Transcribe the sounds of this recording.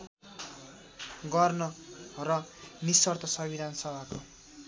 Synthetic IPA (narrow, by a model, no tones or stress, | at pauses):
ɡʌrnʌrʌnisʌrt̪ʌsʌbʱid̪ʱanʌsʌbʱako